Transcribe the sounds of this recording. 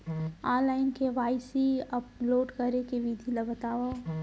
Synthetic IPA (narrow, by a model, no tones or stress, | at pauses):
aːlaːɪnkeʋaːɪsiɐploːʈkɐɾekeʋid̪ʱilɐbət̪aːʋo